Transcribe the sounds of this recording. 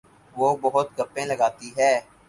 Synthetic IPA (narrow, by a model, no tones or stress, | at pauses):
ʋoːbɐɦʊt̪ɡɐpẽləɡaːt̪iɦɛː